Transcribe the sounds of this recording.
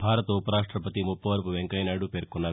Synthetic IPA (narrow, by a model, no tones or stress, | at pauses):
bʱaːɾət̪oupəɾaːʂʈɾəpət̪imʊpːəʋəɾpʋẽŋkajnaɖupeɾkona